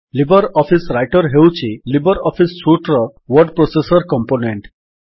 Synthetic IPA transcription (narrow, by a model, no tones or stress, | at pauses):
libɔɾɔpʰisɾajʈɔɾɦewt͡ʃʰilibɔɾɔpʰisːuʈɾɔwɔɾɖpɾosesɔɾkɔmponeɳʈ